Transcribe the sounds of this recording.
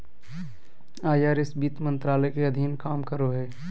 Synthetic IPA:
aːjaːɾesbiːt̪mə̃nt̪ɾaːləkeɐd̪ʱiːnkaːmkəɾoɦɛː

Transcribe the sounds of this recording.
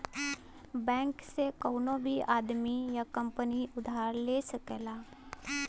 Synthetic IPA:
bɛ̃ːŋksekoːʊnõbʱiaːd̪mijakə̃mpəniʊd̪ʱaːɾleːsəkelaː

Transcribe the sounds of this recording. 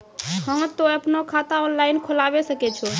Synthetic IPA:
həmt̪oəpnokʰat̪aɔnlainkʰolabesəkɛt͡ʃʰo

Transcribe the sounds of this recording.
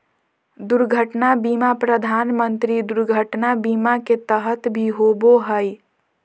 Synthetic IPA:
d̪uɾɡʱəʈnabimapɾəd̪ʱanmənt̪ɾid̪uɾɡʱəʈnabimaket̪əɦət̪bʱiɦoboɦəj

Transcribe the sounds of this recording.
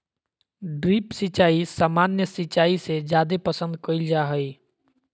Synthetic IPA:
ɖɾiːpsɪt͡ʃaːisaːmaːnjəsɪt͡ʃaːised͡ʒjaːd̪epəsə̃nd̪̚kəɪld͡ʒaɦəi

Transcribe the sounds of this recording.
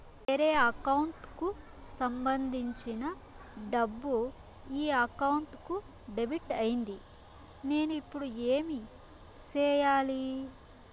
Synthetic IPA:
eɾeːɐkɐwuɳʈku | sɐmbɐnd̪ʱiɲt͡ʃinɐ | ɖɐbːu | iːɐkɐwuɳʈku | ɖebiʈɐjind̪i | ne̞ːnuipːuɽueːmi | t͡ʃɛːjaːli

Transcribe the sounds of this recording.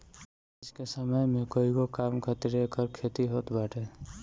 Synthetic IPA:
ɪskesəməjmekoːikokaːmkʰət̪iɾekəɾkʰeːt̪iɦoːt̪baːʈʰeː

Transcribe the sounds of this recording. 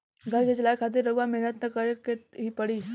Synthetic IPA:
ɡʱɐɾket͡ʃɐlaːekʰaːt̪̬ɪɾːɐɡamɛɦnət̪nɐkəɾkeɦipɐɽiː

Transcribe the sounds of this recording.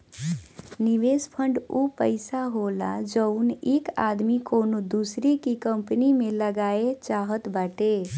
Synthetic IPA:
niʋespʰəɳɖupəɪsaɦolad͡ʒəʊneka̰d̪mikonod̪usɾikikəmpnimeləɡaet͡ʃaɦət̪baʈe

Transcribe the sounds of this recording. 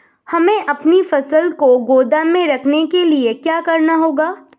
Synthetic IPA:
hɐmẽʔɐpnifɐsəlkoɡoːd̪amẽɾɐkʰnekeliekjaːkɐɾnaɦoːɡaː

